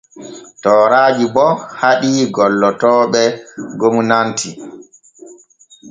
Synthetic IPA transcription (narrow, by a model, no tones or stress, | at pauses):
tɔːɾaːd͡ʒibɔhaɗiːɡɔlːɔtɔːɓɛɡomunantʰi